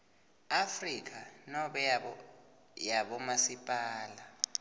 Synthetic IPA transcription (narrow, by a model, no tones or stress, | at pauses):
afrik̬ʰʼanɔɓɛɔ | jaɓɔmasipʼaːla